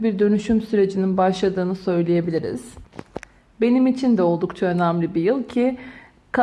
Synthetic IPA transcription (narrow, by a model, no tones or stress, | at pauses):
biɾd̪ø̞nyʃymsyɾe̞d͡ʒininbaʃlˠad̪ɯːnɯsø̞jlʲeje̞bilʲiɾḭz̥ | be̞nimit͡ʃʰind̪ɛo̞lˠd̪ukt͡ʃʰaø̞næmlʲibijɯlˠcʰi | kʰa